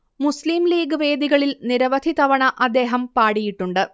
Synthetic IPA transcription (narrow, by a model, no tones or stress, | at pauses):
musliːmliːɡɨʋe̞ːd̪iɣɐɭilniɾɐʋɐd̪ʱit̪ɐʋɐɳɐʔɐd̪ːe̞ːɦɐmpaːɽijiʈːuɳɖɨ